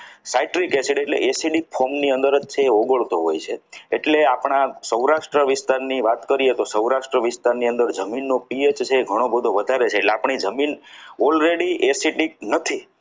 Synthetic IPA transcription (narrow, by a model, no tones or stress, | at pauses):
saiʈɾikesiʈieʈlḛʔesiʈik̚fʰomniənd̪əɾəd͡ʒt͡ʃʰeːoɡəɭt̪oɦojt͡ʃʰeeʈleapɳ̃asəwɾaʃʈɾəʋɪst̪aɾniʋat̪kəɾijet̪osəuɾaʃʈɾəʋɪst̪aɾniə̃nd̪əɾd͡ʒəminːopiet͡ʃt͡ʃʰeːɡʱəɽ̃obəd̪ʱoʋəd̪ʱaɾet͡ʃʰeːʈleapɳ̃id͡ʒəminɔlɾeɽiʔesiʈik̚nət̪ʰi